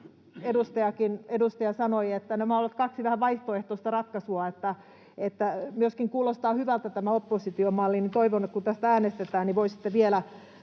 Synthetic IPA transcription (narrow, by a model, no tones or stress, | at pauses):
edust̪ɑjɑkinedust̪ɑjɑsɑnoiet̪ːænæmæolːt̪kɑksiʋæhæʋɑiht̪oeht̪oist̪ɑrɑt̪kɑsuɑet̪ːæ | et̪ːæmyøskiŋkuːlost̪ɑːhyʋælt̪æt̪æmæopːosit̪iomɑlːinit̪oiʋonet̪kunt̪æst̪ææːnest̪et̪æːnniʋoisi̥t̪ːeʋielæ